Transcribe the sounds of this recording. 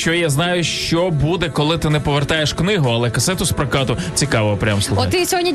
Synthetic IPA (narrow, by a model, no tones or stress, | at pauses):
t͡ʃɔjaznɑjʊʃt͡ʃɔbud̪ɛkɔlˠɪt̪ɪnɛpɔʋert̪ɑjeʃknɪɦʊɐlˠɛkɐsɛt̪ʊspɾɐkɑt̪ʊt͡sʲikɑʋɔɔpɾʲa̰mslˠɔɪsʲɔɦɔdʲnʲi